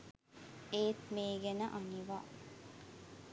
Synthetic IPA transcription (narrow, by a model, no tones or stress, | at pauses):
eːt̪meːɡenəʔaniʋa̰ː